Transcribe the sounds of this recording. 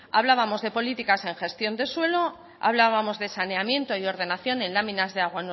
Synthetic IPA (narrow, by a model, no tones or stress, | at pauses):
a̰βlaβamo̞zðe̞po̞lit̪ikase̞ŋxe̞st̪jo̞nd̪e̞swe̞lo̞ | a̰βlaβamo̞zðe̞sane̞amjẽ̞nt̪o̞io̞ɾð̞e̞naθjo̞nẽ̞nlamĩnazðeaɣ̞wan